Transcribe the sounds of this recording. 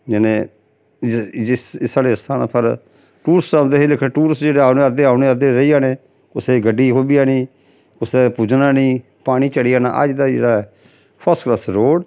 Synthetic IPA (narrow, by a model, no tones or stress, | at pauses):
d͡ʒɪnẽː | ɪɪsaːleːst̪ʰaːnaːpʰəɾ | ʈuːɾsɾaːd̪eɦeːlɪkʰːnːʈuːɾsd͡ʒeːɽeːaːʊneːəd̪eːaːʊneːəd̪eːɾəiːaːneː | kʊseːɡəɖːiːɦoːbiːaːniː | kʊseːpʊd͡ʒnãːnĩː | paːɽ̃iːt͡ʃəɽiːaːna̰ːʔə̰d͡ʒd̪aːd͡ʒḛːɽaːɛː | pʰəɾskləsɾoːɽ